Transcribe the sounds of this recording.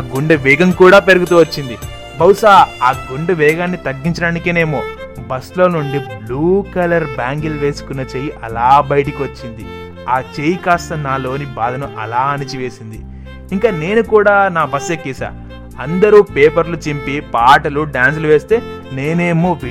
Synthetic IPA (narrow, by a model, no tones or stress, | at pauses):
aɡuɳɖɐʋɛːɡɐmkuːɽaːpe̞ɾɐɡut̪uːʋɐt͡ʃːind̪i | bɐwusaːaːɡuɳɖɐʋɛːɡaːnːit̪ɐɡːiɲt͡ʃɐɽaːnikiːne̞ːmoː | bɐslo̞ːnuɳɖibluːkɐlɐɾbaːŋɡilʋe̞ːsu̥kunːɐt͡ʃeːjiʔɐlaːbɐjɐʈɐkiʋɐt͡ʃːind̪i | aːt͡ʃejikaːst̪ɐnaːlo̞ːnibaːd̪ʱɐnuʔɐ̰laːɐnit͡ʃiʋe̞ːsind̪i | iŋkaːne̞ːnukuːɽaːnaːbɐsekːiːsa̰ː | ɐnd̪ɐɾuːpeːpɐɾlut͡ʃimpipaːʈɐluɖaːns̬ɐluʋe̞ːst̪e̞ː | ne̞ːneːmoːʋi